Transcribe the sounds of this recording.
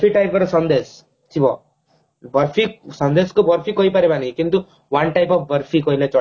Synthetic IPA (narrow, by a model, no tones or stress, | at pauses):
pʰiʈajp̚kɔɾsʌnd̪es | t͡ʃibɔ | bʌɾpʰiksʌnd̪eskobʌɾpʰikɔipaɾebanikint̪u | wanʈajpɔfʰbʌɾpʰikɔɦilet͡ʃɔ